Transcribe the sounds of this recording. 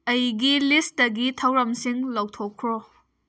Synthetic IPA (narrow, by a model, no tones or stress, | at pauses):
ɐjɡilisdɐɡitʰɐwɾɐmsiŋlɐwtʰokʰːɾo